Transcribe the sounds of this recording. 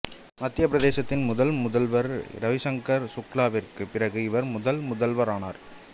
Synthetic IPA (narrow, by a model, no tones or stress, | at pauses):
mɐt̪ːɪjɐpɾɐðeːsɐt̪ːɪnmʊðɐlmʊðɐlʋɐɾɾɐʋɪsɐŋkɐɾsʊklaːʋɪrkɯpɪrɐɣɯɪʋɐɾmʊðɐlmʊðɐlʋɐɾaːna̰ːɾ